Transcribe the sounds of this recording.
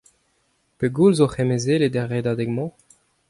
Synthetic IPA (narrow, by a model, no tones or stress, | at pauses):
peɡulzoχemezeled̪ɛʁed̪ad̪ɛɡmɑ̃